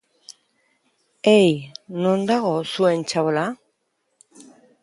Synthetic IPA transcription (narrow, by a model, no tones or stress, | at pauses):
ejno̞nd̪aɣo̞sue̞nt͡ʃaβola